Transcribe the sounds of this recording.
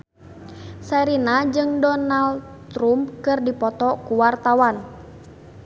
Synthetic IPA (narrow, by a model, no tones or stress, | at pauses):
sɛɾinad͡ʒɨŋdɔnal | t̪ɾumpkɨrdipɔt̪ɔkuwart̪awan